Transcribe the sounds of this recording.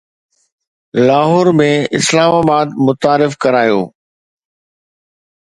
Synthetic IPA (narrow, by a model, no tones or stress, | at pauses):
laːɦɔːɾmẽɪ̰slaːmaːbaːd̪mʊt̪aːɾɪfkɐɾaːjo̰ː